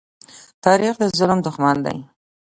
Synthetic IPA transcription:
t̪ɑɾixd̪əzʊlmd̪ʊxmand̪a̰j

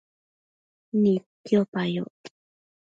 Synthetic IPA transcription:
nikjopajo̰

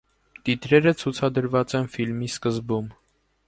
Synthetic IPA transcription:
t̪it̪ɾɛɾət͡sʰut͡sʰɑd̪əɾvɑt͡sɛnfilmiskəzbum

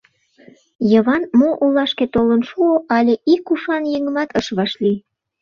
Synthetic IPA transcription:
jəβɑnmoʔulːɑʃket̪olənʃuoʔɑlʲeʔikuʃɑnjeŋə̆mɑt̪əʃβɑʃli

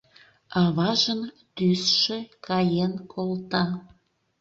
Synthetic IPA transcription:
ɑβɑʒən | t̪ysʃĕkɑjenkʰolt̪ɑ

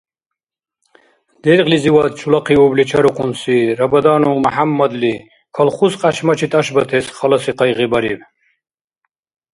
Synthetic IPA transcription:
d̪̥ɛɾqliziwad̪̚t͡ʃʰulaqʰiublit͡ʃʰaɾuqʰʼunsiɾabad̪aːnumaħamːad̪li | kʰalχusqʼaʃmat͡ʃʰit̪ʰʼaʃbat̪ʰɛsχalasiqɑjʁibaɾib

